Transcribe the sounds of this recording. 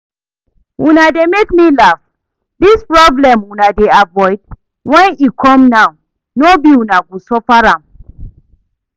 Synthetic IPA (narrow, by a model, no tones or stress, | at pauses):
wunademekmilaf | dispɹɔblɛ̃mwunadeavɔɪd̚ | wɛ̃nikʰɔ̃mnaw | nobiwunaɡosɔfaɹãm